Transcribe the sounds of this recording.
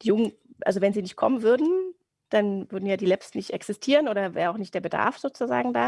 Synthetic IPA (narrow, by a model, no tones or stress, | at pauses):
d̥iːjʊŋən | ʔa̰lzovɛnziːnɪçt̚kʰɔ̰mənvʏɐdn̩ | d̥anvʏɐdn̩jaːdiːlɛpstnɪçtʔɛksɪstʰiːʁənʔoːɾɐvɛːʁəaʊxnɪçtd̥eːɐbəda̰ɐfz̥oːt͡suza̰ːɡŋ̩da̰ː